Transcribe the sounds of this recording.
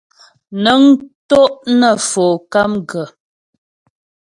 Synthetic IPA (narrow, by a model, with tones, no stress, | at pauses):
nə˨˦ŋto˦ʔnə˨fo˨ka˦mɡə˨